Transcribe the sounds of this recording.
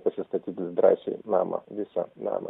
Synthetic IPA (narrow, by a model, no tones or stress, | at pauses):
pɐsʲɪst̪ɐt̪ʲiːt̪ʲɪd̪ɾɑːsʲɛ̰ɪnɑ̰ːmɐ̰ʋʲɪsɐnɑ̰ːmɐ̰